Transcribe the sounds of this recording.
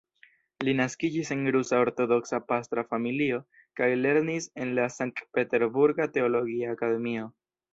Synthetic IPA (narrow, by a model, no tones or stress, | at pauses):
linaskid͡ʒise̞nɡɾusao̞ɾto̞do̞ksapast̪ɾafamilio̞ | kajle̞ɾnise̞nlasaŋk̚t̚pe̞te̞ɾbuɾɡate̞o̞lo̞ɡiaːkade̞mio̞